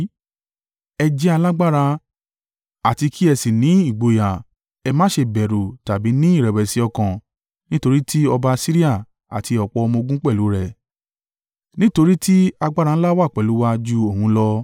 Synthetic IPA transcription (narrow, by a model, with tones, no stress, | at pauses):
ɛ˧d͡ʒɛ˦a˧la˦ɡ͡ba˦˨ɾa˧ | a˨ti˧kʰi˦ɛ˧si˨nĩ˨˦i˦˨ɡ͡bo˧ja˨ | ɛ˧mãː˦ʃe˧bɛ˨ɾo˨ta˨bi˨˦nĩ˦i˦˨ɾɛ˨wɛ˨si˨˦ɔ˧kã˨ | nĩ˦to˧ɾi˦tʰi˦ɔ˧ba˧si˦ɾi˦a˦˨ | a̰˨tʰi˧ɔ˨k͡pɔ˧ɔ˧mo˧ɡũ˦k͡pɛ˦˨lu˨˦ɾɛ˦˨ | nĩ˦to˧ɾi˦ti˦a˧ɡ͡ba˦ɾa˧n̩˦la˦wa˦˨k͡pɛ˨lu˨˦wa˧d͡ʒu˦o˨hũ˨˧˦lɔ˧